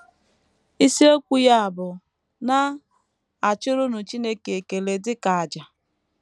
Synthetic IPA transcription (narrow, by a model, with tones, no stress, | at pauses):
i˦si˦o˦kʷu˦ja˦a˨bʊ˨ | na˦ | a˨t͡ʃʊ˦ɾʊ˦nʊ˨t͡ʃi˦ne˦ke˨e˨ke˨le˨dɪ˦ka˨a˨d͡ʒa˨